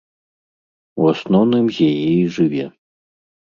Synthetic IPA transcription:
uasnɔwnɨmzʲajɛjʐɨvʲɛ

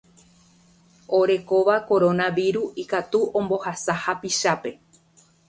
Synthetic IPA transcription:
o̞ɾe̞ko̞ʋako̞ɾo̞nãʋiɾuikat̪uʔõ̞mbo̞hasahapiʃape̞

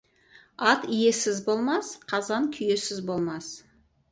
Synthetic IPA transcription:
ɑt̪ije̞sɪzbo̞lˠmɑsqʰɑzɑnkʲʰʏje̞sɪzbo̞lˠmɑs

